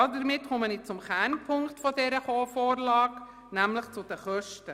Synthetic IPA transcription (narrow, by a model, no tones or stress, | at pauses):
ɑdəɾmɪtχʊmənɪt̚t͡sʊmkɛnpʰʊŋktfɔdɛɾəχoːfoːɾlɑːk | næmləχt͡sʊd̥əχœʃtə